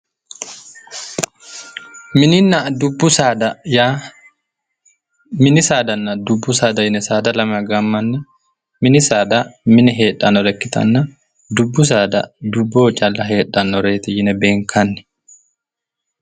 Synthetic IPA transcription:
mɪnɪnːɐd̪ʊbːʊsad̪ɐja | mɪnɪsaːd̪ɐnːɐd̪ʊbːʊsaːd̪ɐjɪnɛsaːd̪ɐlɐmɐɡɐmːɐnːɛ | mɪnɪsaːd̪ɐmɪnɛɦe̞ːᶑːɐnɔɾɛkːɪt̪ɐ̰nːɐ | d̪ʊbːʊs̬aːd̪ɐ̰d̪ʊbːoːt͡ʃʼɐlːɐɦe̞ːᶑːɐnɔɾeːt̪ɪjɪnɛbe̞ːŋkʰɐnːɪ̥

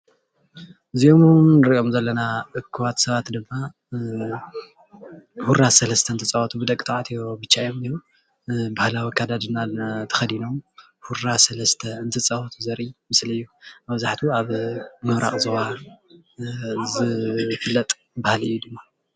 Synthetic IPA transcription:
ɨziomumnɨɾio̞mzɐlːɐnaʔɨkʰːɨwat̪sɐβat̪d̪ɨmːa | huɾasɐlɐst̪ʰɐɨnt̪ʰɨt͡sʼɐɐt̪ʰubɨd̪ɐkʼːt̪ʼaʕat̪ʰijobɨt͡ʃːajomneɾu | bahlawikʰad̪ad̪ɨnat̪ʰɐ̥xɐd̪ino̞m | huɾasɐlɐst̪ʰɐɨnt̪ʰɨt͡sʼɐhɐt̪ʰuzɐɾʔimɨsliɨjːuβbzaħt̪ʰuaβmɨmɾʔa̰χʼzɐwa | zɨfɨlːɐt̪ʼ | bahlɨ̰jːud̪ɨmːa

